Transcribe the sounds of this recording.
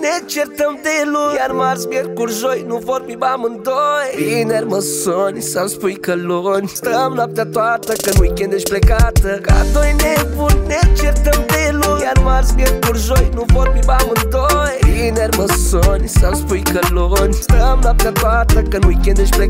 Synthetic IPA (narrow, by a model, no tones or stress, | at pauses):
net͡ʃeɾt̪ɐmd̪elujaɾmaɾzbeɾkuɾʒojnuvoɾmibamɐnd̪ojinɛɾmɐsonisɐspujkɐloɲt̪ɐmnɐp̚t̪ɐt̪wat̪ɐkɐnũikẽnd̪eʃplekat̪ɐka̰d̪ojnepuɾneɾt͡ʃeɾt̪ɐmd̪elujaɾmaɾzbeɾkuɾʒojnuvoɾmibamɐnd̪ojinɛɾmɐsonisɐspujkɐloɲt̪ɐmnɐp̚t̪ɐt̪wat̪ɐkɐnuikẽnd̪eʃpe